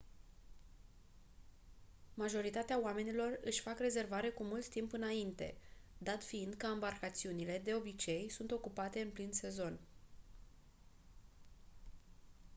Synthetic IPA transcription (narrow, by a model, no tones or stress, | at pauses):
maʒo̞ɾit̪at̪eaoame̞nilo̞rɨʃʲfakre̞ze̞rvaɾe̞kumult̪ːimpɨnaint̪e̞̰d̪at̪fiind̪kəambarkat̪siunile̞d̪e̞o̞bit͡ʃe̞jsunt̪o̞kupat̪e̞ɨnplinse̞zo̞n